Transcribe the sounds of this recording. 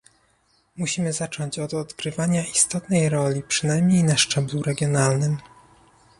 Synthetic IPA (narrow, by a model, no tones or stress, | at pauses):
muɕimɘzat͡ʂɔɲt͡ɕɔd̪ɔd̪ɡɾɘvaɲaist̪ɔt̪nɛjɾɔlʲipʂɘnajmɲejnaʂt͡ʂɛbluɾɛɡʲjɔnalnɘm